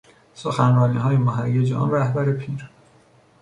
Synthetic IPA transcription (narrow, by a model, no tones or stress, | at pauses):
soxænɾɒːniːɦɒːjemoɦæjed͡ʒeʔɒ̰nɾæhbæɾepʰiːɾ